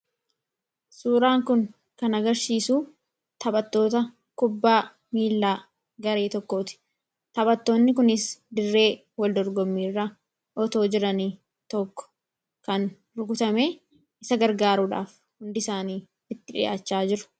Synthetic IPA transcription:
suːɾaːŋkʊŋ | kɐnɐɡɐɾsiːsuː | t̪ɐbɐt̪ːo̞ːt̪ɐ | kʊbːaː | miːlːaː | ɡɐɾe̞ːt̪ɔkːo̞ːt̪ɪ̥ | t̪ɐbɐt̪ːo̞ːnːɪk̬ʊnɪsd̪ɪrːe̞ː | wɐld̪ɔɾɡɔmːiːrːɐ | ʔɔt̪o̞ːd͡ʒɪɾɐniː | t̪ɔkːɔ̥ | kɐn | ɾʊɡʊt̪ɐmeː | ɪsɐɡɐɾɡaːɾuːᶑa̰ːf | hʊnd̪ɪsaːniː | ɪt̪ːɪᶑɪ̰ʔa̰ːt͡ʃːaːd͡ʒɪɾʊ̥

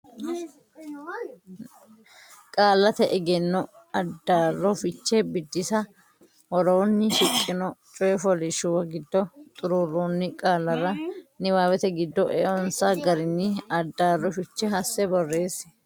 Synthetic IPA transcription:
kʼaːlːɐt̪ɛʔɛɡɛnːɔ | ɐd̪ːaːrːɔfɪt͡ʃːɛbɪd̪ːɪsɐ | wɔɾɔnːɪʃɪkʼːɪnɔt͡ʃʼɔjɛfɔlɪʃʊwɐɡɪd̪ːɔt̪ʼʊɾurːuːnːɪkʼaːlːɐɾɐnɪwaːwɛt̪ɛɡɪd̪ːɔʔɛɔnsaɡɐɾɪnːɪɐd̪ːaːrːɔfɪt͡ʃːɛɦɐsːɛbɔrːeːs

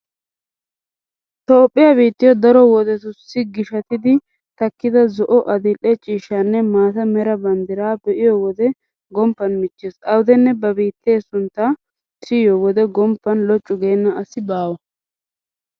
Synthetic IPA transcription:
t̪oːpʼːɪjabiːt̪ːɪjɔd̪ɐɾɔwɔd̪ɛt̪ʊsːɪɡɪʃɐt̪ɪd̪ɪ | t̪ɐkːɪd̪ɐzɔʔɔʔɐd̪ɪlʔɛt͡ʃʼiːʃːanːɛmaːt̪ɐmɛɾɐbɐnd̪ɪɾaːbɛʔɪjɔwɔd̪ɛ | ɡɔmpːɐnmɪt͡ʃːeːsʔɐwd̪ɛnːɛbɐbiːt̪ːe̞ːsʊnt̪ːa | sɪjɔwɔd̪ɛɡɔmpːɐnlɔt͡ʃʼːʊɡe̞ːnːɐɐsɪbaːwɐ

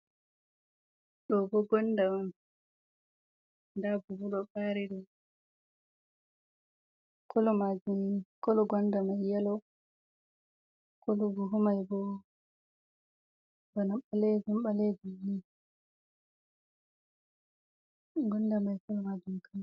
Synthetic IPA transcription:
ɗɔbɔɡɔndam | dabubuɗɔɓaɾiɗɔ | kɔlɔmad͡ʒumkɔlɔɡɔndamajjalɔ | kɔlɔbuɦumajbɔ | banaɓaled͡ʒumɓaled͡ʒuni | ɡɔnːdamajkɔlɔmad͡ʒumkʰan

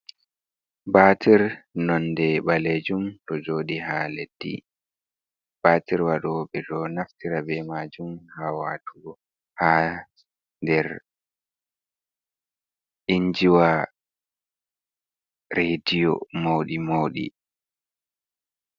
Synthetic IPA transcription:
baːtʰiɾnɔndɛɓaled͡ʒumtɔd͡ʒoːɗihaled̥ːḭ | b̥aːtiɾwaɗɔɓɛɗɔnaftiɾabɛmad͡ʒumhawatʰu | ha | ndɛɾ | iɲd͡ʒiwa | ɾedijɔ̰mowɗimowɗḭ

